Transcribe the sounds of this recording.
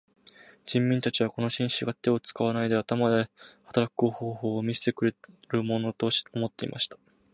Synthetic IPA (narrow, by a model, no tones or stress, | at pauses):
d͡ʑĩmːʲĩnt̪at͡ɕiβ̞ako̞no̞ɕĩɰ̃ɕiɡat̪e̞o̞t͡sɨ̥kaβ̞anaid̪e̞at̪amad̪e̞hḁt̪aɾakɯ̟̥ɡo̞hoːho̞ːmʲise̥t̪e̞kɯ̟ɾeɾɯ̟mo̞no̞t̪o̞o̞mo̞t̪ːe̞ḭmʔa̰ɕi̥t̪ḁ